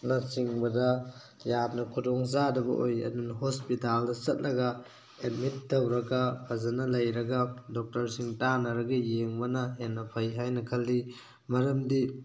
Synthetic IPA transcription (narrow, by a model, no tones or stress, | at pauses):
nɐsiŋbɐdɐ | jap̚nɐkʰudɔŋzadɐbɐ̰ʔojɐ̰dunɦospitaldɐsɐt̚nɐɡɐ | et̚mitːɐwɾɐɡɐpʰɐzɐnɐlɐjɾɐɡɐdɔk̚tɐɾsiŋtanɐɾɐɡɐjeŋbɐnɐɦenːɐpʰɐjɦajnɐkʰɐlːi | mɐɾɐmdi